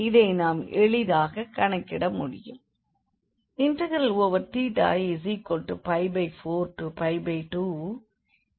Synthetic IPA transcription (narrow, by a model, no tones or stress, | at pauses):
ɪðɐɪnaːmɛɭɪðaːɣɐkɐɳɐkːɪɽɐmʊɽɪ̰jɯ̰m | ɪntɐɣɐɾɐloʋɐɾt̪iːʈa̰ːsikɔɳʈːɯpɐɪbɐɪfoːɾʈɯpɐɪbɐɪʈuː